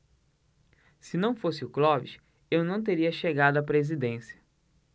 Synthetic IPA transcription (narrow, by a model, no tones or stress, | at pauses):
sɪnɐ̃w̃fosɪʊklɔvḭʃ | ewnɐ̃w̃t̪̬eɾiɐʃeɡad̪ʊɐpɾezid̪ẽsjɐ̥